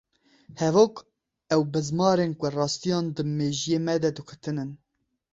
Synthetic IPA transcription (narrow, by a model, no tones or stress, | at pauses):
hɛvok | ɛwbɨzmɑːɾenkʷʊrɑːst̪ijɑːnd̪ɨmeːʒijemɛd̪ɛd̪ɨkʰʊt̪ɨnɨn